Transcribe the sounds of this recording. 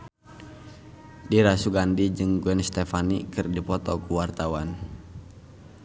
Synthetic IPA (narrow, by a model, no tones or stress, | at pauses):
diɾasuɡandid͡ʒɨŋɡwɛnst̪ɛfanḭkɨrdipɔt̪ɔkuwart̪awan